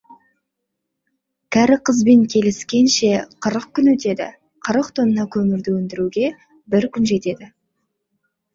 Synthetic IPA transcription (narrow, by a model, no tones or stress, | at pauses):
kʲʰæɾɪqʰəzbe̞ŋkʲʰe̞lɪskʲe̞nʃe̞qʰəɾəq̚kʲʰʏnwɵt̪e̞d̪ɪ̰ | qʰəɾəqt̪ʰonənɑkʲʰɵmɪɾd̪ɪwɵnd̪ɪɾuɡʲe̞ | bɪɾkʲʰʏnʒe̞t̪e̞d̪ɪ